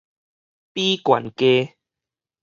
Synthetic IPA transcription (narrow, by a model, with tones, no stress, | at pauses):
pi˦kwa̰˨˩nke˦